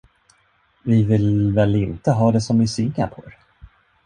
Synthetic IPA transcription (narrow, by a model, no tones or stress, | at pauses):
vɪvɪlvɛlɪnt̪əɦɑːd̪ɛsɔmvɪsʏŋːapʰɔɾ